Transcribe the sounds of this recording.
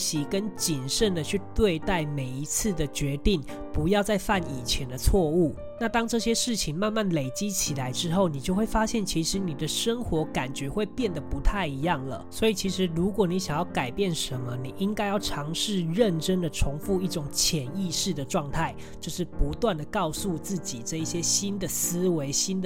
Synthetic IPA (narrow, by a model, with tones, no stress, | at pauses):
ɕi˨˥kə˦nt͡ɕi˨˩nʂə˥˩nd̪ə˨t͡ɕʰy˥˧t̪we˥˧ɪt̪a˥˩ɪme˨˩ɪi˧˥t͡sʰɹ̩˥˩d̪ə˩t͡ɕɥɛ˧˥t̪i˥˩ŋ | pu˧˥jɑ˥˧ʊt͡sa˥˧ɪfa˥˩ni˨˩t͡ɕʰjɛ˧˦nd̪ə˧t͡sʰwɔ˥˧u˥˩ | na˥˨t̪ɑ˥ŋʈ͡ʂɤ˥˩ɕjɛ˥ʂɻ̩˥˩t͡ɕʰi˨˦ŋma˥˧nma˥˩nle˨˩ɪt͡ɕi˥t͡ɕʰi˨˩la˨˦ɪʈ͡ʂɻ̩˥xo˥˩ʊni˨˩t͡ɕjo˥˧we˥˩ɪfa˥ɕjɛ˥˩nt͡ɕʰi˧˥ʂɻ̩˧˥ni˨˩d̪ə˦ʂə˦˥ŋxwɔ˧˥ka˨˩nt͡ɕɥɛ˧˥xwe˥˧ɪpjɛ˥˩nd̪ə˩pu˧˥t̪ʰa˥˩ɪi˧˥jɑ˥˩ŋlə̰˩swɔ˧˥i˨˩t͡ɕʰi˧˥ʂɻ̩˧˥ɻu˧˥kwɔ˨˩˦ni˨˥ɕjɑ˨˩ŋjɑ˥˩ʊka˨˩ɪpjɛ˥˩nʂə˧˦nmə˧ni˨˩ʔi˦ŋka˥ɪjɑ˥˩ʊʈ͡ʂʰɑ˧˥ŋʂɻ̩˥˧ɻə˥˨nʈ͡ʂə˦ŋd̪ə˨ʈ͡ʂʰʊ˧˥ŋfu˥˧i˥˩ʈ͡ʂʊ˨˩ŋt͡ɕʰjɛ˨˩ni˥˧ʂɻ̩˥˩d̪ə˩ʈ͡ʂwɑ˥˧ŋt̪ʰa˥˩ɪ | t͡ɕjo˥˧ʊʂɻ̩˥˩pu˧˥t̪wa˥˩nd̪ə˩kɑ˥˧ʊsu˥˧t͡sɹ̩˥˩t͡ɕi˨˩ʈ͡ʂɤ˥˧i˥˩ɕjɛ˦˥ɕi˥nd̪ə˨s̩˥we˧˥ɪɕi˥nd̪ə